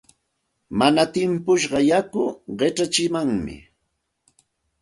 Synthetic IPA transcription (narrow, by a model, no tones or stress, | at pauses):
manat̪ɪmpʊʃɢɑjakʊɢeʈ͡ʂat͡ʃɪmaŋmɪ̰